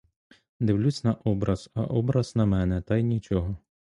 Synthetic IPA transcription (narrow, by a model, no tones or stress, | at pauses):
d̪ɪʋlʲut͡sʲnɐʔɔbɾɐz̥ɐ̰ʔɔbɾɐz̥nɐmɛnɛt̪ɐjnʲit͡ʃɔɦɔ